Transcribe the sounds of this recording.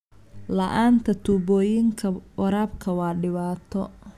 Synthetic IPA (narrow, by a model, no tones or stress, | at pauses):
lɐʔaːnt̪ʰɐt̪ʰuːbɔːjɪŋkʰɐwɐɾaːb̚kʰɐwɑːɖɪβaːt̪ʰɔ